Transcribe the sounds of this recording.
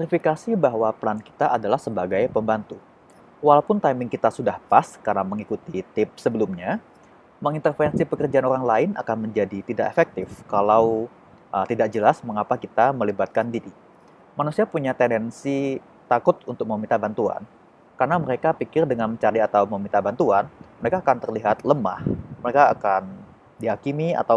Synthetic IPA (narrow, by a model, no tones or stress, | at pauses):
ɛɾifikasibaɦwaplanki̥t̪aʔadalahsəbaɡajpəmbant̪u | walawpʊnt̪ajmɪŋkit̪asudahpaskarnaməŋikut̪it̪ɪp̚səbəlumɲa | məŋint̪ərfɛnsipəkərd͡ʒaanoɾaŋlaɪna̰kanməɲd͡ʒadit̪idaʔefɛk̚t̪ɪfkalaw | ʔət̪idak̚d͡ʒəlasməŋapakit̪aməlibat̪̚kandiɾi | manusiapuɲat̪ɛndɛnsi | t̪akʊt̪̚unt̪ʊk̚məmint̪abant̪ua̰n | karnaməɾekapikɪrdəŋanməɲt͡ʃaɾiat̪awmomint̪abant̪uanməɾekaːkant̪ərliɦat̪ləma̰hməɾekaːkan | diɦakimia̰t̪aw